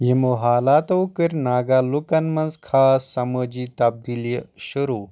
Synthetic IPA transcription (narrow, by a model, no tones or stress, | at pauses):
jimoɦalat̪ɐwkəɾʲnaɡalukanmɐnzkʰaːsːɐməd͡ʑiːt̪ɐb̚d̪iljəɕuɾu